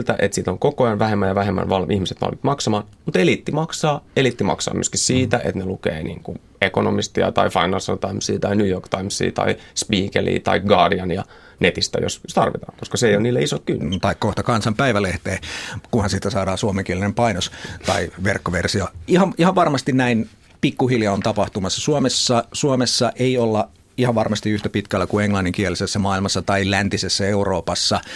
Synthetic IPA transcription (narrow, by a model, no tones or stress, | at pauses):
lt̪æʔet̪siːt̪oŋkokojɑnʋæhemːæjɑʋæhemːæ̰nʋɑlmʔihmiset̪ʋɑ̰lmit̪mɑksɑmɑːnmut̪elit̪ːimɑksɑːelit̪ːimɑ̰ksɑ̰ːmy̰øskissiːt̪æʔḛt̪nelukḛːnḭːŋku | ekonomist̪iɑ̰t̪ɑifɑinɑlsont̪ɑimsḭːt̪ɑinuːjorkt̪ɑimsḭːt̪ɑ̰ispiːkelʔḭːt̪ɑ̰ikɡɑːdiɑnjɑ | net̪ist̪æ̰jo̰sjost̪ɑrʋit̪ɑ̰ːŋkoskɑseijoniːlːeisokkynːt̪ɑikkoht̪ɑkɑnsɑmpæiʋæleht̪eːkunhɑnsit̪ːæsɑːdɑːnsuomeŋkielinempɑinost̪ɑ̰iʋerkːoʋersioihɑnihɑʋʋɑrmɑst̪innæin | pikːuhiljɑont̪ɑpɑht̪umɑsːɑsuomesːɑsuomesːɑʔeiolːɑ | ihɑʋʋɑrmɑst̪iyht̪æpit̪kælːækueŋlɑnːiŋkielisesːæmɑːilmɑsːɑt̪ɑilænt̪isesːæeuroːpɑsːɑ